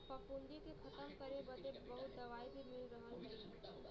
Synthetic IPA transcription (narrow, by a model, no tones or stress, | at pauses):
pəpund̪ik̪ekʰɐt̪əmkəɾebət̪ebəɦut̪̚d̪ɐʋaːibʱimɪlɾəɦəlɦe